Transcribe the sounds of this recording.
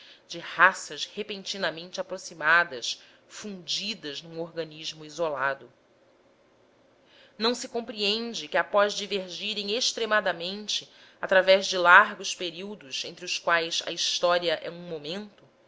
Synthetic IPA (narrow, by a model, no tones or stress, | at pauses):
d͡ʒɪhasɐʃhepẽnt͡ʃinɐmẽnt͡ʃɪapɾosimad̪ɐsfũnd͡ʒid̪ɐznũoɾɡɐniʒmʊizolad̪ʊ | nɐ̃w̃sɪkõmpɾiẽnd͡ʒɪkɪapɔzd͡ʒiveɾʒiɾẽj̃eʃt̪ɾemad̪ɐmẽnt͡ʃɪ | at̪ɾavɛzd͡ʒɪlaɾɡʊspeɾiwd̪ʊzẽnt̪ɾɪʊskwajsɐ̰iʃt̪ɔɾiɐʔɛ̰ũmomẽnt̪ʊ